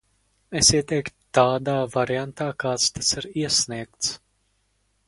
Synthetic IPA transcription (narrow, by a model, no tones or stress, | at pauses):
esiɛt̪ɛjkt̪t̪aːd̪aːvaɾiant̪aːkaːt̪st̪asiɾiɛsniɛk̚t̪s